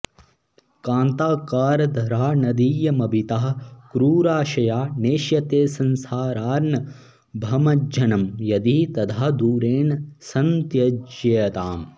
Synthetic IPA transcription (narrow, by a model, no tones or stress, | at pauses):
kaːnt̪aːkaːɾɐd̪ʱɐɾaːnɐd̪iːjɐmɐbʱit̪aːɦɐkɾuːɾaːʃɐjaːneːʃjɐt̪eːsɐnsaːɾaːɾnɐ | bʱɐmɐd͡ʒd͡ʒɐnɐmjɐd̪it̪ɐd̪ʰaːd̪uːɾeːnɐsɐnt̪jɐd͡ʒjɐjɐt̪aːm